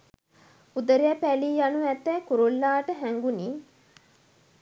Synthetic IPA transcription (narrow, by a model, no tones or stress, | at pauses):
ud̪əɾiɛpæliːjanuæt̪ːɛːkuɾulːaːʈəɦæŋɡuniː